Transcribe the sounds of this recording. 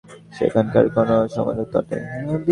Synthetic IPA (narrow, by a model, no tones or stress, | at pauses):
ʃḛkʰanka̰ɾkonoʃɔmɔ̰ot̪ɔʈḛbi